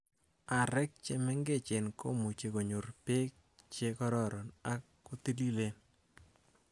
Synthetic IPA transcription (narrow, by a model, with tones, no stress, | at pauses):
a˨ɾɛ˦k̚t͡ʃe˦mɛ˦ŋɡe˦t͡ʃe˨nkʰo̰˦mu˨t͡ʃe˨ko˨ɲu˨rpe˦k̚t͡ʃe˦kɔ˦ɾɔ˦ɾɔ˨na˦kːo˦ti˦li˦le˦n